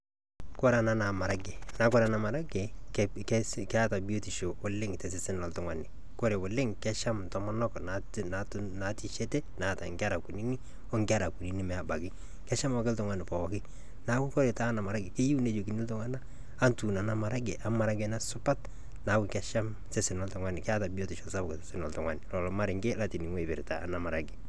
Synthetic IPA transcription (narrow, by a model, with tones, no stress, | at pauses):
kɔ˦ɾa˨na˨na˨ma˨ɾa˦ɡe˨na˦kɔ˦ɾa˨na˨ma˨ɾa˦ɡe˨kkkɛ˦a˦ta˨bi˦o˦ti˨ʃo˨o˨lɪ˦ŋtɛ˨s̬ɪ˨sɪ˦na˨ltʊ˨ŋwa˨nɪ˨ | ko˦ɾe˨wo˨lɪ˦ŋkɛ˦ʃa˦mtɔ˦mɔ˦nɔ˦kna | na | na˨ti˦ʃe˦te˦na˨ta˨ŋɡa˦ɾa˨ku˨ni˦ni˦ | ɔ˦ŋɡa˦ɾa˨ku˨ni˨ni˦mɛ˨a˨ba˨ɡɪ˦ | kɛ˦ʃa˦m˦wa˦kɪ˦ltʊ˦ŋwa˦nɪ˨pɔ˨ɔ˨kɪ˦ | na˨˦kʊ˦ko˦ɾe˨taː˦na˨ma˨ɾa˦ɡɪ˨ke˦ju˦ne˦d͡ʒo˨ki˨nɪ˦ltʊ˦ŋa˦na˦ | a˦ntu˨na˨na˦ma˨ɾa˦ɡɪ˨ʔa˨ma˨ɾa˦ɡɛ˦na˦sʊ˦pa˦t | na˨˦kʊ˨kɛ˦ʃa˦m | se˦sɪ˨nɔ˨˦ltʊ˨ŋwa˦nɪ˨kɛ˦a˦ta˨bi˦ɔ˦tɪ˨ʃɔ˨sa˦bʊ˨kte˨sɪ˦nɔ˨ltʊ˨ŋwa̰nɪ˨lɔ˨lɔ˨ma˦ɾɪ˨ŋɡe˦la˦ti˨ni˨ŋwe˦˨bɪ̰˨ɾta̰ː˨na˨ma˨ɾa̰˨ɡɪ˨